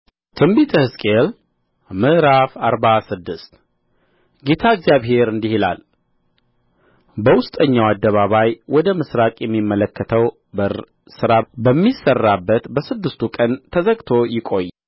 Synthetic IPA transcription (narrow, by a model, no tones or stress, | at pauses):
t̪ʰɨmbit̪ʰəhɨskʼel | mɨʔɾafaɾbasɨd̪ːɨst̪ | ɡe̞t̪ʰaɪɡzijaβɦe̞ɾɨnd̪ihila̰l | bəwʊst̪ʼəɲːawad̪ːəβaβajwʔɔd̪əmɨsɾakʼjɛmːimːələkːət̪ʰəw | bə | sɨɾabəmːisərːabːət̪bəsɨd̪ːɨst̪ʰukʼənt̪ʰəzəɡt̪ʰo̞jɪkʼo̞j